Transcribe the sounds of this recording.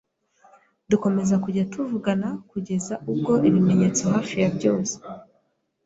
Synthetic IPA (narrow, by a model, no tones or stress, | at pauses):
duko̞me̞zakuɟatʰuvuɡanakuɟe̞zaʔub̚ɡo̞ʔiβime̞ɲe̞t͡so̞ɦaːfijabɟoːnse̥